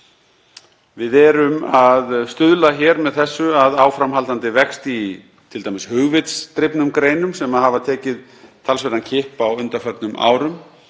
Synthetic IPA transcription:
vɪðɛɾʏmaðst̪ʏðlaçɛɾmɛðθɛsːʏaðaːwfɾamɦalt̪ant̪ɪvɛkst̪i | t̪ʰɪlt̪ajmɪshʏɣvɪt̪st̪ɾɪpnʏmkɾeːjnʏmsɛmaðhavat̪ʰɛːcɪð | t̪ʰalsvɛɾancʰɪhpawʏnt̪aɾfœɾt̪nʏmʔa̰ːwɾʏm

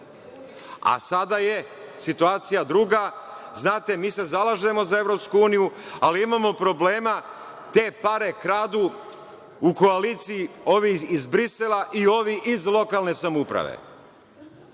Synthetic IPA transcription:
a̰sad̪aje | sit̪uaːt̪sijad̪ɾuːɡaznaːt̪emiːse̞zalˠaʒe̞mo̞zae̞vɾo̞pskuuːnijualiimamo̞pɾo̞ble̞ːma | t̪e̞paɾe̞kɾaːd̪u | uko̞alit̪sijio̞ʋiizbɾiselaʔio̞ʋiʔizlˠo̞kalˠne̞samupɾa̰ʋḛ

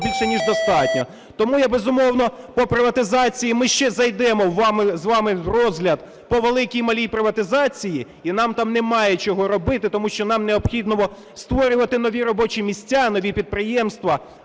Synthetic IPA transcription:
bʲilʃɛnʲiʒd̪ɔst̪ɑtʲnʲɔ | t̪ɔmujɐbezʊmɔwnɔpɔpɾɪʋɐt̪ɪzɑt͡sʲijimɪʃt͡ʃɛzɐjd̪ɛmɔwːɑmɪzʋɑmɪwrɔzɦlʲɐd̪̚ | pɔʋelˠɪkʲijmɐlʲijpɾɪʋɐt̪ɪzɑt͡sʲiji | inɑmt̪ɑmnɛmɑjɛt͡ʃɔɦɔɾɔbɪt̪ɪt̪ɔmuʃt͡ʃɔnɑmneɔbxʲid̪nɔʋɔ | st̪ʋɔɾʲʊʋɐt̪ɪnɔʋʲiɾɔbɔt͡ʃimʲisʲtʲːanɔʋʲipʲid̪̚pɾɪjɛmst̪ʋɐ

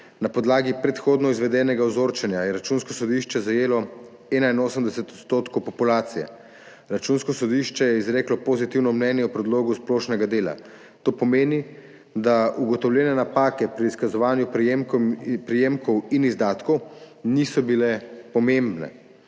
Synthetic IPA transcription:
napɔd̪laːɡipɾɛt̪xoːd̪nɔizʋɛd̪ɛːnɛɡaɔzoːɾt͡ʃɛnjajɛɾat͡ʃunskɔsɔd̪iʃt͡ʃɛzajeːlɔ | ɛːnainoːsəmd̪ɛsɛt̪ɔ̥t̪st̪oːt̪kowpɔpulaːt̪sijɛ̰ | ɾat͡ʃunskɔsɔd̪iʃt͡ʃɛjɛizɾeːklɔpozit̪iwnɔmnɛnjɛupɾɛd̪loːɡusploːʃnɛɡad̪eːla̰ | t̪oːpɔmeːni | d̪auɡɔt̪ɔwlʲjɛnɛnapaːkɛpɾiːskazɔʋaːnjupmpɾijemkɔwinizd̪aːt̪kɔwnisɔbilɛpɔmembnɛ̰

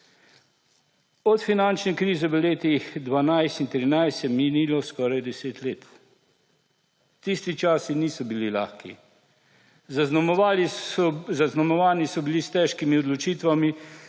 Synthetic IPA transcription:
ɔt̪finant͡ʃnɛkɾiːzɛʋəleːt̪ixd̪ʋanajst̪int̪ɾinajst̪jɛminilɔskɔːɾajd̪ɛseːt̪leːt̪ | t̪ist̪it͡ʃaːsiniːsɔbilila̰xkḭ | al | zaznamɔʋaːnisɔbilist̪ɛʃkimiɔd̪lɔt͡ʃiːt̪ʋami

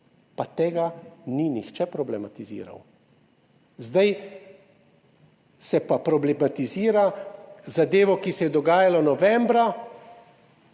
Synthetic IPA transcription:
pat̪eːɡaninixt͡ʃɛpɾɔblɛmat̪izḭːɾa̰w | zd̪aj | sɛpapɾɔblɛmat̪iziːɾazad̪eːʋɔkisɛjɛd̪ɔɡaːjalɔnɔʋɛmbɾa

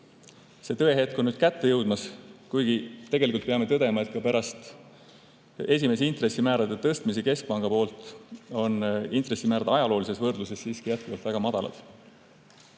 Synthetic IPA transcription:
se̞ːt̪ɤ̞eɦe̞t̪̚konyd̪̥̚kæt̪ːejɤwd̪̥mɑskujɡ̥it̪e̞ɡ̥e̞likult̪̚peɑme̞t̪ɤd̪̥e̞mɑet̪̚kɑpæɾɑst̪ | e̞s̬ʲime̞s̬int̪re̞sːimæːɾɑd̪̥et̪ɤst̪miseke̞sk̚pɑŋɡ̥ɑpo̞ːlt̪ˑo̞nint̪ˑre̞sːimæːɾɑd̪̥ɑjɑlo̞ːlise̞svɤrd̪̥luse̞sːiːskijæt̪̚kuvɑlt̪væɡ̥ɑmɑd̪̥ɑ̰lɑ̰d̪̥

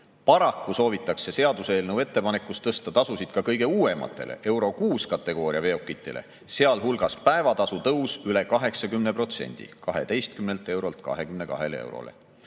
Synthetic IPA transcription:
pɑɾɑkːˑuso̞ːvit̪ːˑɑkse̞se̞ɑd̪useːlnewe̞t̪ːe̞pɑne̞kːˑust̪ːɤst̪ɑt̪ɑsusid̪̥kɑkɤjɡ̥e̞uːe̞mɑ̰t̪ːˑe̞̰lʔḛʔe̞wɾo̞kuːskɑt̪ˑːe̞ɡ̥o̞ːɾiɑve̞okːˑit̪ːˑe̞̰le̞̰ | se̞ɑlɦulɡ̥ɑspæe̞vɑt̪ɑsut̪ɤwsyle̞kɑɦe̞ksɑkymne̞pro̞t̪se̞̰nʲd̪̥ḭkɑɦe̞̰t̪e̞jst̪̚kymnelt̪ˑe̞wɾolt̪kɑ̰ɦe̞kymne̞kɑ̰ɦe̞̰leḛwɾo̰lḛ

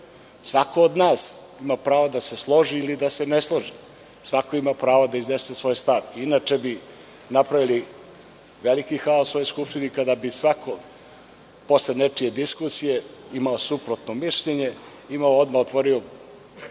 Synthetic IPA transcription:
sʋako̞od̪naːs | imapɾaːʋod̪ase̞slˠo̞ʒiːlid̪ase̞neslˠo̞ʒi | sʋakoimapɾaːʋod̪aiznesesʋo̞jst̪aʋiinat͡ʃe̞bi | napɾaʋili | ʋelikixaːosvo̞jojskupʃt̪inikad̪abisʋakʰo̞ | poslenet͡ʂije̞d̪iskusije̞imaosupɾot̪nomiʃʎeɲe̞ | imaood̪maot̪ʋoɾio

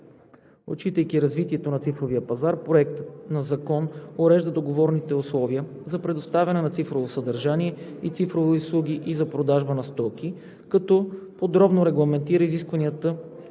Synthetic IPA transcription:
o̰t͡ʃit̪əjkʲiɾɐzvit̪iɛt̪onɐt̪sifɾoviəpɐzaɾpɾoɛkt̪ət̪nɐzɐkɔnoɾɛʒd̪əd̪oɡovɔɾnit̪ɛʊslˠɔviə | zɐpɾɛd̪ost̪avʲɐnɛnɐt̪sifɾovosɐd̪ɐɾʒaniɛit̪sifɾoviʊslˠuɡ̟ʲiʔizɐpɾod̪aʒbənɐst̪ɔkʲi | kɐt̪ɔpod̪ɾɔbnoɾɛɡlˠɐmɛnt̪iɾəiziskvɐniət̪ə

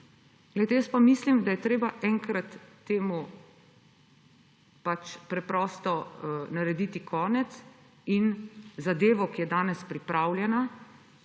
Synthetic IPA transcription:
ɡ̥lɛjt̪ɛjəspamislimd̪ajɛt̪ɾeːbaʔɛŋkɾat̪ː | eːmu | pat͡ʃpɾɛpɾɔːst̪ɔnaɾɛd̪iːt̪ikʰɔːnɛt̪s | inzad̪eːʋɔkijɛd̪aːnɛspɾipɾaːwljɛna

